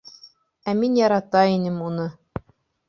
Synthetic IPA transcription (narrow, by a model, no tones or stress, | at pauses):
æminjɑɾɑt̪ɑinɘmunɤ